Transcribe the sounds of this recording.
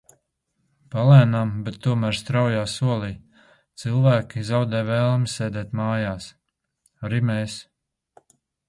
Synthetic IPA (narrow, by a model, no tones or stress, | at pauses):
palɛːnambɛt̪ːuɔmæːɾst̪ɾawjaːsuɔlˠiː | t̪sɨlˠvæːkʲizawd̪ɛjvɛlˠmisɛːd̪ɛːt̪maːjaːs | aɾimɛːs